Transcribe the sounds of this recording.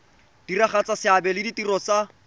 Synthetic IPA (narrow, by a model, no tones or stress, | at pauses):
d̥iraχat͡sasɪabɛlɪditirɔt͡sa